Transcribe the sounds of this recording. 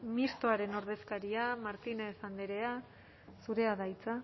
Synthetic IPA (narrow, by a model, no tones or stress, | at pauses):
mist̪oaɾe̞no̞ɾð̞e̞skaɾiamaɾt̪inesand̪eɾe̞a | suɾe̞aðajt͡sa